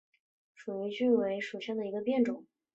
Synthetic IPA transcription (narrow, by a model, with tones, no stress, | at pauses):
ʂu˨˩i˧˥t͡ɕy˥˩we˧˥ɪʂu˨˩ɕjɑ˥˩ŋd̪ə˩i˧˥ɡə˧pjɛ˥˩nʈ͡ʂʊ˨˩˦ŋ